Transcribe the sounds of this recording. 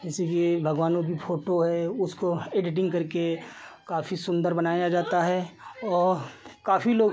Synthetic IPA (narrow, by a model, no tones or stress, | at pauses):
ɪsikiebʱɐɡʋaːnõkipʰoːʈoɦɛʊskoeːɖɪʈɪ̃ŋɡkɐɾkekaːfisʊ̃nd̪əɾbɐnaːjad͡ʒaːt̪aɦɛɔːɾkaːfiloː